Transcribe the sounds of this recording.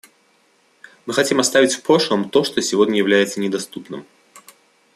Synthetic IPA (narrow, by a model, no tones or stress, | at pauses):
mɨxɐtʲimast̪avʲɪt͡sʲfpɾoʂlˠəmt̪oʂt̪osʲɪvodʲnʲəjɪvlʲæjɪt̪sənʲɪd̪ast̪upnɨ̰m